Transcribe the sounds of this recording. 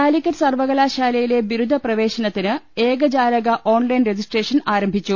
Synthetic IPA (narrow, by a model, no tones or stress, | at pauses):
aːlikːɐɾsɐrʋɐɣɐlaːɕaːlɐjile̞ʋiɾud̪ʱːɐprɐʋe̞ːɕɐnɐt̪ːinɨeːɡɐd͡ʑaːɾɐɣɐʔo̞ːnlɐjnred͡ʑisʈre̞ːʂɐnaːɾɐmbʱit͡ɕːu